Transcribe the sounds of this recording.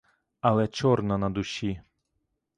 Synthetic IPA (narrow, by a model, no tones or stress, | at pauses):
ɐlˠɛt͡ʃɔrnɐnɐd̪ʊɕʲi